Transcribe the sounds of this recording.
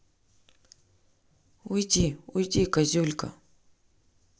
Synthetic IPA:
ujdiujdʲikazulʲkʰʼa̰

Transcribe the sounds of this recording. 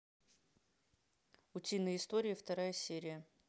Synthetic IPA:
ʊtʲinːəɪst̪o̞ɾʲɪɪft̪ɐɾajəsʲeɾʲɪjə

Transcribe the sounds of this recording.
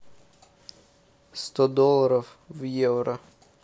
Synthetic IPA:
st̪ɔd̪ɔlˠːɐɾɔw | vjɛwɾɐ

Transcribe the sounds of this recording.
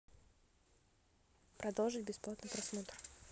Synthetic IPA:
pɾɐd̪olˠʐɨtʲbʲɪsplˠat̪nɨpɾɐsmot̪r

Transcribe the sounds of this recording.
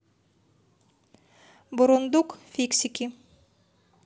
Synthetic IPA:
boɾond̪uqfʲiksikʲi

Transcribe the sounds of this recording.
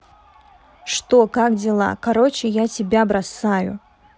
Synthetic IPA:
ʂt̪okakdʲɪlˠa̰kɐɾot͡ɕɪjatʲɪbʲabɾɐsajʊ̰

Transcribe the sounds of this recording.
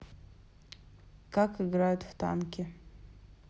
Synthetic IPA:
kakɨɡɾajʊt̪ft̪a̰nkʲɪ

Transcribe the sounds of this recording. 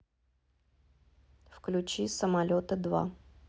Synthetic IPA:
fklʲʉt͡ɕisəmɐlʲot̪əd̪va̰

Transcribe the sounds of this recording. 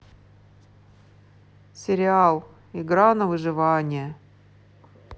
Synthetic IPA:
sʲɪɾʲɪalˠ | ɪɡɾanəvɨʐɨvanʲɪjə

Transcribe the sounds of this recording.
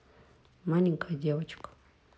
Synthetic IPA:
maniŋkʰad͡ʒiawat͡ʃu̥kḁ

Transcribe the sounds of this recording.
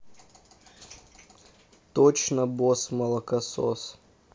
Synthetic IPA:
t̪ot͡ɕnəbosmɐlˠɐkɐso̰s

